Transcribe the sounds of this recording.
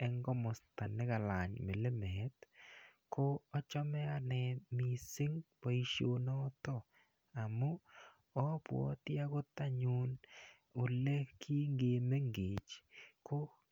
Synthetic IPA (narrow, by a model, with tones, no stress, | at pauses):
ɛ˦ŋɡɔ˦mʊ˨sta˨nɪ˦ka˨la˨ɲme˨le˦me˦t | ko˦ɔ˦t͡ʃɔ˦mɛ˦a˨nɛ˨mi˨sɪ˦ŋpɔ˨i˨ʃjo˨nɔ˦tɔ˦˨ | a˨mu˦ | ɔ˦pwɔ̰˦tja˦kʊ˦ta˦ɲun | ʊ˨le˦kʰi˦ŋɡe˨me˦ŋɡeː˨t͡ʃko˦